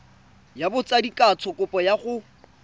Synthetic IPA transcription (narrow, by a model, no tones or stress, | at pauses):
jabʊt͡sʼadikʼat͡sʰɔkʼʊpʼɔjaχʊ